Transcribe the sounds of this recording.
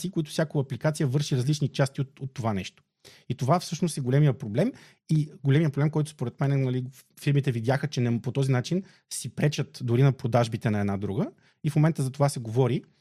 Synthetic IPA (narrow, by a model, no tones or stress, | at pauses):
siːkoit̪ʊ̥sʲjakoɐplikat̪sijəvɤɾʃiɾɐzlit͡ʃnit͡ʃast̪iot̪ot̪ːovanɛʃt̪o̥ | it̪ovafsɤʃnost̪ɛɡolɛmijəpɾoblɛm | iɡolɛmijəpɾoblɛmkɔjt̪ʊ̥spoɾɛt̪mɛnɛnɐli | fiɾmit̪ɛvid̪jaxət͡ʃɛnɛpot̪ɔzinat͡ʃin | sipɾɛt͡ʃət̪d̪ʊɾinɐpɾod̪aʒbit̪ɛnɐɛd̪nad̪ɾuɡə | ifmomɛnt̪əzɐt̪ovasɛɡovɔɾi